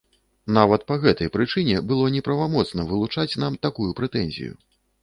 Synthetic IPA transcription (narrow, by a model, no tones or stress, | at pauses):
n̪avɐt̪̚pɐɣɛt̪ɐjpɾɨt͡ʂɨnʲɛbɨlˠɔnʲɛpɾɐvamɔt̪snɐvɨlˠut͡ʂat͡sʲnamt̪akujupɾɛt̪ɛnʲzʲḭjṵ